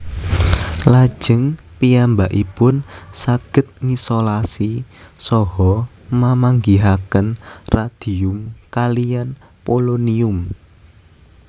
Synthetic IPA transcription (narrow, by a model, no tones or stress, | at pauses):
lad̥ʒ̥ə̤ŋpiambaʔipʊnsaɡ̥ə̤t̪̚ŋisolasisɔɦɔ | mamaŋɡiɦakənrad̪̥iʊmkalijan | poloniʊm